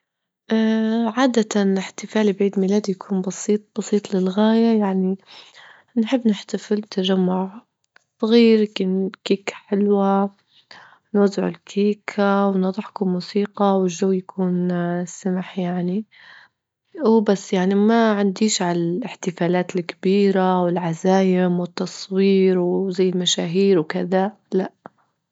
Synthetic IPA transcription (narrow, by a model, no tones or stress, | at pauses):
ʔaʕaːd̪at̪alɪħt̪ɪfaːlibʕiːd̪miːlaːd̪ijakʰuːnbɑsiːt̪̚ˤb̥ɑsˤiːt̪ˤlɪlɣaːjajaʕni | nħɪbːnɪħt̪afɪlt̪ːaʒamːʊʕ | sˤɣiːɾkɪnkiːkḁħɪlwa | nwazːɪʕʊ̰lkʰiːkʰawnɑðˤɑħkʊmuːsiːqɑwɪlʒːawːjakʰuːnsamħjaʕni | wbasːjaʕnimaʕand̪iːʃʕalalɪħt̪ɪfaːlaːt̪ɪlkɪbiːɾawɪlʕazaːjɪmwɪt̪ːɑsˤwiːɾwzajːɪlmaʃaːɦiːɾwkɪða | laʔ